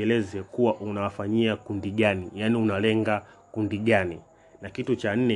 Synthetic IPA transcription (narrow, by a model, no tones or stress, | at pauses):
ɛlɛzɛkuwaʔunawafaɲiakundiɠanijaniunalɛŋɡa | kundiɠani | nakitut͡ʃan̩nɛ